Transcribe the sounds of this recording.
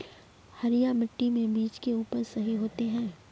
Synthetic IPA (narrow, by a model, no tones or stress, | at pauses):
hɐɾijamɪʈːimẽbiːt͡ʃkeuːpəɾsɐɦiɦoːt̪eɦɛ̃ː